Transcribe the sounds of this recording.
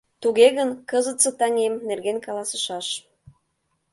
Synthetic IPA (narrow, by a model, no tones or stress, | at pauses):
t̪uɣeɣənkɤzət̪t͡sə̆t̪ɑŋemnerɣenkɑlˠɑsə̥̆ʃɑʃ